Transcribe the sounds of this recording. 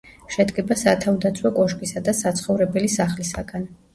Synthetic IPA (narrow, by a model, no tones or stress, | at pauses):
ʃɛd̪ɡɛbasat̪ʰavd̪at̪sʰwɔkʼɔʃkʼisad̪asat̪sʰχɔvɾɛbɛlisaχlisaɡan